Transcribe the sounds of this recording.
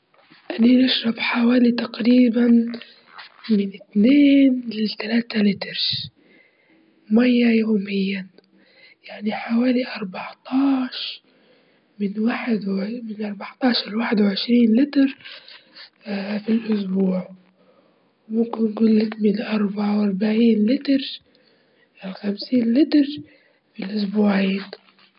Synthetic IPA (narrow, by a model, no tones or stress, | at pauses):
ʔanːinɪʃɾˤɑbħawaːlit̪aqɾiːban | mɪnɪt̪neːnlɪt̪alaːt̪alɪt̪ɾ | majːajoːmɪjːa | jaʕniħawaːliʔɑɾˤbɑʕt̪ˤɑːʃ | mɪnwaːħɪd̪wmɪnʔɑɾˤbɑʕt̪ˤɑːʃɑɾwaːħɪd̪wʕɪʃɾiːnlɪt̪ɾ | filʔʊsbuːʕ | wmʊmkɪnɡʊlːɪkmɪlʔɑɾˤbaʕawʔɑɾˤbaʕiːnlɪt̪ɾ | ɪlxamsiːnlɪt̪ɾ | filʔʊsbuːʕiːn